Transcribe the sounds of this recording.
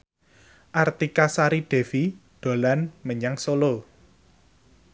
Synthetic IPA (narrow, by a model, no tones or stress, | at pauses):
ʔart̪ikasaɾiɖ̥ɛ̤fiɖ̪̥o̤lanməɲaŋsolo